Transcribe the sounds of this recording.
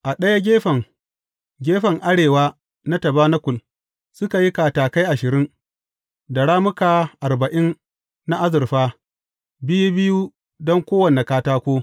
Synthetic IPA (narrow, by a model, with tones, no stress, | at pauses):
ʔa˨ɗɐ˦ja˦ɡʲeː˦ɸɐ˨ŋ | ɡʲeː˦ɸɐ˨ŋʔa˦ɽeː˨waː˦ | na˦tɐ˨baː˦na˦kʷʊ˨l | sʊ˦ka˨ji˦kaː˨taː˨ka˦jʔa˨ʃɪ˨ɾɪ˦n | da˨ɽaː˦mʊ˦ka˨ʔa˨rbɐ˨ʔɪ˦nː | a˦ʔa˦zɪ˨rɸaː˦ | bɪ˦ju˦bɪ˦ju˦ | dɔ˦ŋkʷoː˦wɐ˨ne˨kaː˦taː˦kʷoː˦